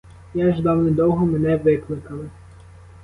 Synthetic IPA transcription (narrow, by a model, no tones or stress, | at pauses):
jaʒd̪ɑwnɪd̪ɔwɦɔmenɛʋɪklˠɪkɐlˠɪ